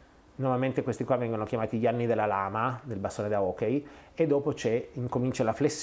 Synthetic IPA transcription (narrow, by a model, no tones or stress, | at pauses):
nomament̪ekwest̪ikwavːɛŋɡonokjamaːt̪iʎianːid̪elːalaːmad̪elbast̪oːned̪aɔːkejed̪ːɔːpot͡ʃɛiŋkomint͡ʃalaflesː